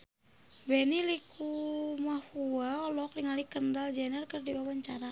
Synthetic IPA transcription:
bɛnilikʰumahuaɔlɔkliŋalikəndald͡ʒɛnɛrkərdiwawaɲt͡ʃaɾa

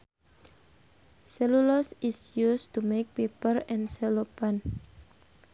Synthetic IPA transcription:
sɛlulɔsisjust̪umek̚pepərɛ̃nsɛlopan

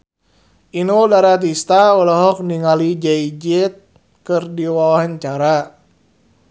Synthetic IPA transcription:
ʔinodaɾat̪̬ist̪aɔlaɦɔk̚niŋalid͡ʒɛid͡ʒɪt̪̚ | kɨrdiwawaɦant͡ʃaɾa

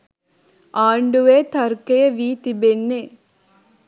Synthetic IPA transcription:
aːɳɖuʋeːt̪ɐɾkɐjɐʋiːt̪ibenːeː

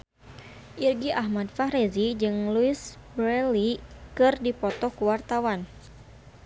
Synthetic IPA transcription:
ʔirɡiʔahmadfaɾɛzid͡ʒɨŋluisbɾɛlikɨrdipɔt̪ɔhkuwart̪awan

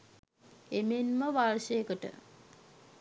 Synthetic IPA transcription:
emenməʋarʃəjekəʈə̰

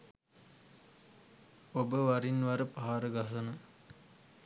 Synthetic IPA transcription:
obəʋaɾinʋaɾəpaɦaɾəɡasənə

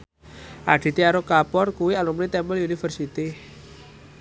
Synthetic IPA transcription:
ʔa̰ɖ̪̥i̤t̪iaɾokapɔrkuwialumnit̪ɛmbəlunifərsit̪i

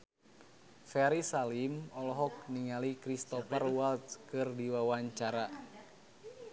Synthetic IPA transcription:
fɛɾisalimɔlɔɦɔk̚niŋalikɾist̪ɔfɛrwalt̪kɨrdiwawaɲt͡ʃaɾa

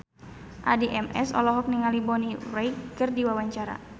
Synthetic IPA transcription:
ʔa̰diʔɛmɛ̰sɔ̰lɔɦɔk̚niŋalibɔnirɛjkkɨrdiwawaɲt͡ʃaɾa̰

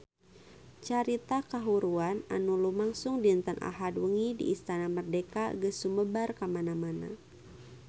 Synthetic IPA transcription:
t͡ʃaɾit̪akaɦuɾuana̰nulumaŋsʊŋdint̪ənʔa̰ɦadwəŋidḭːst̪anamərdekaɡəsuməbarkamanamana̰

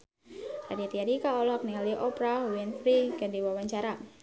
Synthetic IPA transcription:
radiat̪iaɾikaɔlɔk̚niŋaliʔɔpɾawinfɾikadiwawaɲt͡ʃaɾa

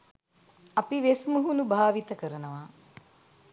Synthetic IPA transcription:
ɐpiʋesmuɦunubʱaːʋit̪əkəɾɐnəʋaː

